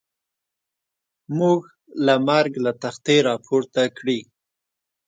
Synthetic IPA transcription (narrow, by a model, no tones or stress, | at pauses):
muɡ | lamaɾɡlat̪axt̪eɾɑpʰoɾt̪akɽi